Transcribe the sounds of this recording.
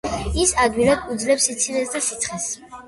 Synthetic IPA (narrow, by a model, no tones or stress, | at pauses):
isad̪wilad̪̚ud̪zlɛpsit̪sʰinɛsd̪asit̪sʰχɛs